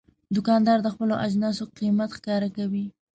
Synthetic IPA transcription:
d̪ʊkɑnd̪ɑɾd̪əxpəloʔad͡ʒnɑsoqimat̪xkɑɾakawi

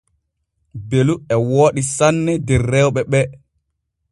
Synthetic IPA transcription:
beluɛwoːɗisanːɛdɛrːɛwɓɛɓɛ

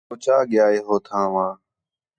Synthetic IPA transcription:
oːt͡ʃaːɠɪjaːeːɦoːt̪ʰãːʋãː

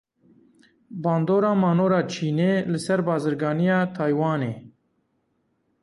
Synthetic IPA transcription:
bɑːnd̪oːɾɑːmɑːnoːɾɑːt͡ʃʰiːneːlɨsɛɾbɑːzɨɾɡɑːnijɑːt̪ʰɑːjwɑːneː

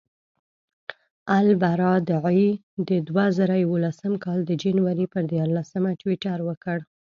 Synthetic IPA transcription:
albaɾɑd̪əʕi | d̪əd̪wazaɾajawolasəmkɑld̪əd͡ʒanwaɾipəɾd̪jɑɾlasəmaʈwiʈaɾwəkəɽ

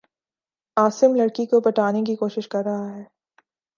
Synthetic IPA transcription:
aːsɪmlɐɽkikopɐʈaːnek̬ikoːʃɪʃkɐɾːɐɦaɦɛː

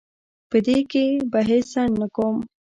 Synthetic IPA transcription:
pəd̪eːkebɐɦesanːɐkom

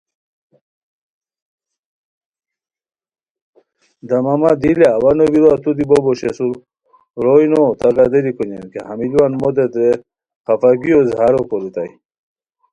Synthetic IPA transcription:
d̪ɐmamad̪ileawanobiɾoat̪ud̪iboboɕesuɾ | ɾojnot̪aɡad̪eɾikoɲḛnkehamilwanmod̪ed̪ɾe | kafaɡiozhaɾokoɾut̪a̰j

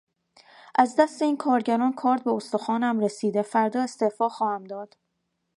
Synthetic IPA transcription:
ʔæzd̪æst̪e̞iːnkʰɒːɾɟæɾɒːnkʰɒːɾt̪̚be̞ost̪oxɒːnæmɾesiːd̪efæɾd̪ɒːest̪e̞fɒːxɒːhæmd̪ɒːd̪̥

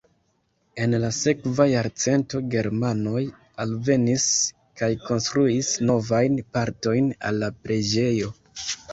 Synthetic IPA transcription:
e̞nlase̞kvajaɾt͡se̞nto̞ɡe̞ɾmano̞j | alve̞nis | kajko̞nst̪ɾuisno̞vajnpaɾto̞jna̰lːapɾe̞d͡ʒe̞jo̞

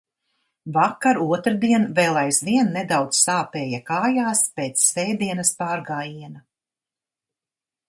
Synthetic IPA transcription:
vakːaɾuɔt̪ɾd̪iɛnveːlˠajzviɛnːed̪awd̪zsaːpeːjakaːjaːspeːt̪sːɛjd̪iɛnɐspaːɾɡaːjiɛna

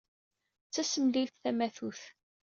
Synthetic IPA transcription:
t͡sːæsəmlilθθæmæθuθ

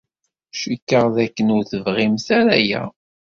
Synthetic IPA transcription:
ʃikːəʁðækːənʊɾθəvʁimθæɾæjæ̰

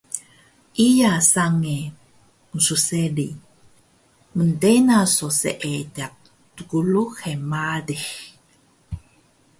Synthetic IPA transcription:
ʔijasaŋe | nsuseli | məndenasosḛʔedak̚ | tuɡuluxemadix

